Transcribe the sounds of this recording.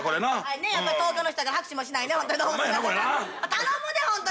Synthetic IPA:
koɾenaaɾnejapːaɾit̪oːkʲonoçi̥t̪oɡahakɯ̥ɕĩmoɕinainemot̪ːoɾid̪oːmot̪eaakoɾeat̪anomɯd̪ehõnt̪o

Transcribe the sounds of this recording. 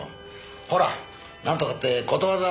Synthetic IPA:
o̰ | hoɾa | nãnt̪okat̪ːekot̪oβaza

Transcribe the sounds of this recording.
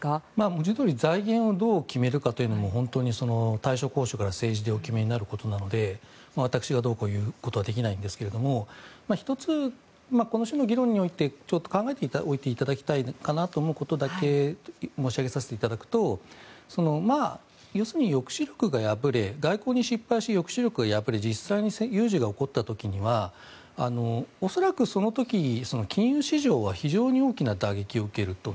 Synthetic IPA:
maːmod͡ʑid̪o̞ːɾʲizaiɡẽ̞ɰ̃o̞d̪o̞ːkʲime̞ɾɯ̟kat̪o̞jɯ̟no̞mo̞ɦõ̞nt̪o̞ːɲ̟iso̞no̞t̪aiɕo̞ko̞ːɕo̞kaɾase̞ːʑid̪e̞o̞kʲime̞ɲ̟inaɾɯ̟ko̞t̪o̞nano̞d̪e̞ | maβ̞at̪akɯ̥ɕiɡad̪o̞ːkoːjɯ̟ːkot̪o̞βad̪e̞kʲinaĩnd̪e̞sɨ̥ke̞ɾe̞d̪o̞momaçi̥t̪o̞t͡sɨ | mako̞no̞ɕono̞ɡʲiɾõ̞ɲ̟ːio̞it̪e̞t͡ɕo̞t̪ːo̞kãŋɡae̞t̪eo̞it̪e̞it̪ad̪akʲi̥t̪aikanat̪o̞ːmo̞ɯ̟ko̞t̪o̞d̪ake̞mo̞ːɕiaɡe̞saset̪eit̪ad̪akɯ̟̥t̪o̞so̞no̞ma | jo̞ːsɨɲ̟ijo̞kɯ̟̥ɕiɾʲo̞̥kɯ̟ɡajabɯ̟ɾe̞ɡaiko̞ːɲ̟iɕipːaiɕijo̞kɯ̥ɕiɾʲjo̞kɯ̟ɡajabɯ̟ɾe̞d͡ʑisːaiɲ̟isejɯːʑiɡao̞ko̞t̪ːat̪o̞kʲiɲ̟iβa | a̰no̞oso̞ɾakɯ̟so̞no̞t̪o̞kʲiso̞no̞kʲĩɰ̃jɯːɕiʑo̞ːβaçiʑo̞ːɲ̟io̞ːkʲinad̪aɡe̞kʲio̞ɯ̟ke̞ɾɯ̟t̪o̞

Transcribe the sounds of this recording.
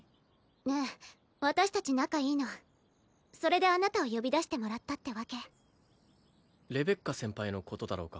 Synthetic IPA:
ne | βat̪aɕi̥t̪at͡ɕinakaiːno̞ | so̞ɾe̞d̪e̞anat̪ao̞jo̞bʲid̪aɕi̥t̪e̞mo̞ɾat̪ːat̪ːe̞βake̞ | ɾe̞be̞kːasẽ̞mpaino̞ko̞t̪o̞d̪aɾo̞ːka

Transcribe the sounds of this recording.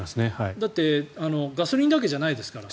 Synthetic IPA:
asɨnehaid̪at̪ːe̞ano̞ɡasɨɾʲĩːnd̪ak̬e̞ʑanaid̪e̞sɨ̥kaɾa

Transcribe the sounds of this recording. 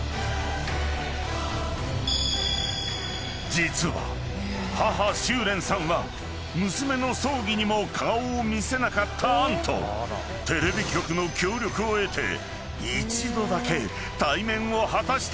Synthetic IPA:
d͡ʑit͡sɨβa̰ | haɦaɕɨːɾẽ̞sãɰ̃βa | mɯ̟sɨme̞no̞so̞ːɡʲiɲ̟imo̞kʰaoːmʲise̞nakat̪ʰːãːnt̪ʰo̞̰ | t̪e̞ɾe̞bʲikʲo̞kɯ̟no̞kʲo̞ːɾʲo̞kɯ̟oe̞t̪e̞̰ | it͡ɕid̪o̞d̪ake̞ | t̪aimẽ̞ɰ̃o̞hat̪aɕi̥t̪

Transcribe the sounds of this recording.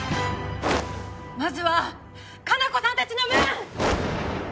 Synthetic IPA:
mazɨβa | kanako̞sãnt̪at͡ɕinomẽ

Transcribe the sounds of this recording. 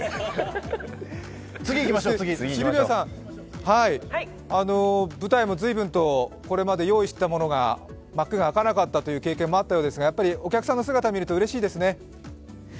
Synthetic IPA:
t͡sɨɡʲiikʲimaosɡʲiɕiibʲiosã | hai | ano̞bɯ̟t̪aimo̞zɨibɯ̟̃nt̪o̞ko̞ɾe̞mad̪e̞jo̞ːiɕt̪amo̞no̞ɡa̰ | makːɯ̟ɡaːkanakat̪ːat̪o̞jɯ̟ːke̞ːkẽ̞mːo̞at̪ːajo̞ːd̪e̞sɨɡajapːaɾʲio̞kʲakɯ̟sãnːos̬ɨɡat̪amʲiɾɯ̟t̪o̞ɯ̟ɾe̞ɕiːd̪e̞sɨne̞

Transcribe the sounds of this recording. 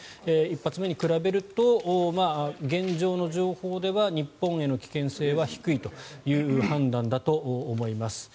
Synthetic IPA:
eipːat͡sɨme̞ɲ̟ikɯ̟ɾabe̞ɾɯ̟t̪o̞ʔmaɡẽ̞ɲd͡ʑo̞ːno̞ʑo̞ːho̞ːd̪e̞βaɲ̟ipːõ̞ɰ̃e̞no̞kʲi̥kẽ̞se̞ːβaçi̥kɯ̟it̪o̞jɯ̟ːhãnd̪ãnd̪at̪o̞ʔːmo̞imasɨ̥

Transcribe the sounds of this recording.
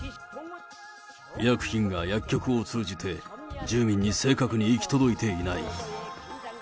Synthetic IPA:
ijakɯ̟̥çĩŋɡajakʲːo̞kɯ̟o̞t͡sɨːd͡ʑit̪ʰe̞d͡ʑɨːmʲĩɲ̟ːise̞ːkakɯ̟ɲ̟iːkʲi̥t̪o̞d̪o̞it̪e̞inaḭ

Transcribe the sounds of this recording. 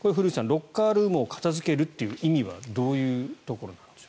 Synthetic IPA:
koɾeɸɯ̟ɾɯːsãnɾo̞kːaːɾɯːmɯokḁt̪azɨke̞ɾɯ̟t̪ːe̞jɯ̟ːʔimʲiβa̰d̪o̞ːjɯ̟ːt̪o̞koɾo̞nãndd̪es

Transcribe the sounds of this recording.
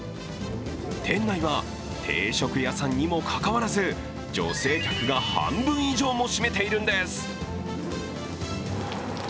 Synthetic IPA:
t̪ʰẽ̞nːaiβa | t̪ʰe̞̰ːɕo̞kɯ̟jasãɲ̟ːimo̞kʰakaβaɾazɨ | d͡ʑo̞̰se̞ːkʲakɯ̟ɡahã̰mbɯ̟̃ɰ̃iʑo̞ːmo̞ɕime̞t̪e̞iɾɯ̟̃nd̪e̞sɨ̥

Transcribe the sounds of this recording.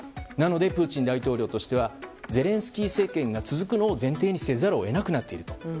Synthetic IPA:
nano̞d̪e̞pɯ̟ːt͡ɕĩnd̪ait̪o̞ːɾʲo̞ːt̪o̞ɕi̥t̪e̞βaze̞ɾẽ̞ɰ̃sɨ̥kʲiːse̞ːkẽ̞ŋɡat͡sɨzɨkɯ̟no̞ːzẽ̞nt̪̬e̞ːɲ̟ise̞zaɾoːe̞nakɯ̟nat̪ːe̞iɾɯ̟̥t̪o̞̥

